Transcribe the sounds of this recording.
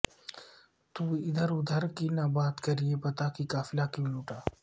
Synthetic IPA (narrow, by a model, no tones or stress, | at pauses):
t̪uːɪd̪əɾʊd̪ʱəɾkiːnãːbaːt̪kəɾieːpət̪aːkiːkaːfɪlaːkjũːluːʈaː